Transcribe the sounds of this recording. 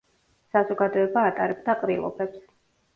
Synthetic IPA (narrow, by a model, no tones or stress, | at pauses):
sazɔɡad̪ɔɛbaːt̪ʼa̰ɾɛbd̪aqʼɾilˠɔ̰bɛps